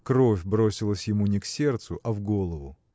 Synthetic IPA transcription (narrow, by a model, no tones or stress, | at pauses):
kɾo̞fʲbɾo̞sʲɪlˠəsʲjɪmunʲɪksʲe̞rt̪sʊʔɐvɡo̞lˠəvʊ